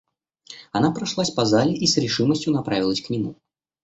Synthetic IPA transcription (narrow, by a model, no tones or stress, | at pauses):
ɐnapɾɐʂlˠasʲpɐzalʲɪʔisɾʲɪʂɨməsʲtʲjʊnɐpɾavʲɪlˠəsʲknʲɪmṵ